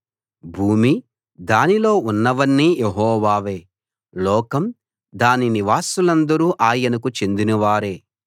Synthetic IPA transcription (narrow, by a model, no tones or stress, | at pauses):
bʱuːmi | d̪aːnilo̞ːunːɐʋɐnːijeɦɔːʋaːʋe̞ː | lɔːkɐm | d̪aːniniʋaːsulɐnd̪ɐɾuːʔaːjɐnɐkut͡ʃe̞nd̪inɐʋaːɾe̞ː